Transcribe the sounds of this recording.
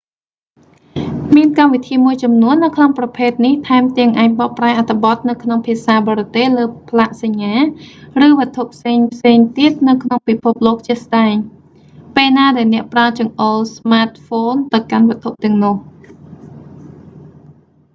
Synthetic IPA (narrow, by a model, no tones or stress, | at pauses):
miənkamʋit̪ʰiːmuəjt͡ɕɑmnuənːɨwkʰnoŋprɑpʰeːt̪̚niht̪ʰaɛmt̪iəŋʔaːŋ̚ɓɑʔpraɛʔat̪ʰːĕɓɑt̪̚nɨwkʰnoŋpʰiəsaːɓɑːɾɔt̪ehləːpʰlaʔsaɲːaːrɨːʋɨ̆ət̪ʰːuʔpʰseːŋpʰseːŋt̪iət̪̚nɨwkʰnoŋpipʰup̚loːk̚t͡ɕiəhsɗaɛŋ | peːlnaːɗaɛlnɛ̆əʔpralt͡ɕɑəŋʔolsmaːt̪̚foːnt̪ɨwkanʋɨ̆ət̪ʰːuʔt̪ɛ̆əŋnɔəh